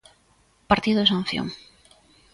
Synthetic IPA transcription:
paɾt̪iðosãnθjo̰ŋ

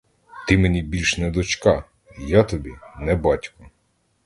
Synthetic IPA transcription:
t̪ɪmenʲibʲilʲʃnɛd̪ɔt͡ʃkɑ | jat̪ɔbʲinɛbɑtʲkɔ

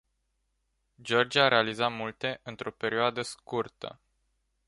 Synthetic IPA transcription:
d͡ʒo̞rd͡ʒiaaɾʔe̞alizat̪mult̪e̞ʔɨnt̪ɾo̞pe̞ɾioad̪əskurt̪ə̰

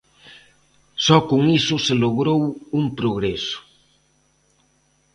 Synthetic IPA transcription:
sɔkʊŋisʊseloɣɾowuŋpɾoɣɾesʊ̥

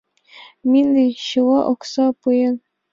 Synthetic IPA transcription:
minɘɕɯwɑʔoksɑpujɤn

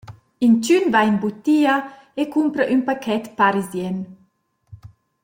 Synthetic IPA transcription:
int͡ʃynvanbut̪ːiːɐ | ekumpɾɐʔynpakʰɛt̪paɾizjɛn

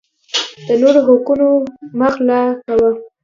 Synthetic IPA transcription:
d̪̥ənoɾoɣokunoməxlakawə

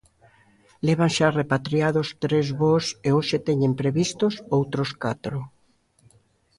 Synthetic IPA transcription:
leβ̞aŋʃarepat̪ɾiaðost̪ɾezβoseoʃet̪eɲempɾeβist̪osowt̪ɾoskat̪ɾʊ

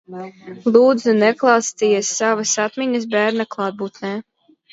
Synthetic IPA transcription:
lˠuːd̪zunɛklˠɑwst̪ijɛsːavasat̪miɲəs̬bæːɾnaklˠɑːd̪̚buːt̪nɛ

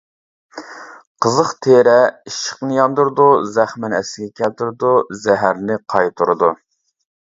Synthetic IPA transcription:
qʰəzəχt̪ʰeɾɛiʃə̥qnɨjɑnd̪uɾɨd̪uzæχmɪnɛsɪɡʲɛkʲʰɛlt̪ʰɪɾɪd̪uzɛɦæɾnɪqʰɑjt̪ʰuɾɨd̪u

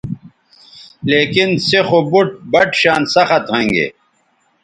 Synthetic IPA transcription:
leːkinsexobuʈ̚bɐʈɕaːnsɐxɐt̪hɐ̃ŋɡḛː

